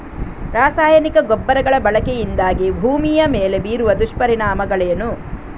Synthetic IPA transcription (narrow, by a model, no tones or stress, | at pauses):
ɾaːsaːjɐnikɐɡobːɐɾɐɡɐɭɐbɐɭɐkejind̪aːɡibʱuːmijɐmeːle̞biːɾuʋɐd̪uʂpɐɾinaːmɐɡɐɭɛjɐnu